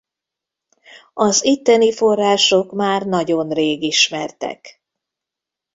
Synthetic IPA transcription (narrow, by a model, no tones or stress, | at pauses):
ɒzit̪ːɛnifo̞rːaːʃo̞kmaːrnɒɟo̞nreːɡiʃmɛrt̪ɛ̰k